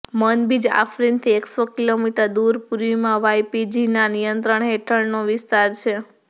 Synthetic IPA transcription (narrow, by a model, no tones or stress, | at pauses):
mənbid͡ʒa̰fɾint̪ʰieksokilomiʈəɾd̪uɾpuɾʋimãʋajpid͡ʒinanijənt̪ɾəɳɦeʈʰəɭnoʋɪst̪aɾt͡ʃʰe